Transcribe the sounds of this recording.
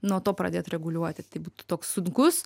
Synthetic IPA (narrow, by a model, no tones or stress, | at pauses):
nuɔt̪oːpɾɐd̪ʲeːt̪ɾʲɛɡʊlʲuɔt̪ʲɪt̪ɐɪbuːt̪ʊ̥t̪oːksːʊŋkʊs